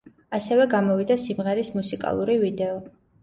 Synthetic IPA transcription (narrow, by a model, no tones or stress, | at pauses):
asɛvɛɡamɔvid̪asimʁɛɾismusikʼa̰lˠuɾivid̪ɛɔ